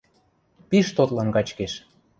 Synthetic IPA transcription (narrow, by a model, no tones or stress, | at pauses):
piʃt̪ot̪lɑnkɑt͡ɕkeʃ